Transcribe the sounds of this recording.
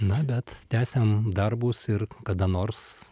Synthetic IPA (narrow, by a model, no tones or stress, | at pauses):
nɐbʲɛt̪t̪ʲæːsʲɛmd̪ɐrbuːsɪrkɐd̪ɐnoːrs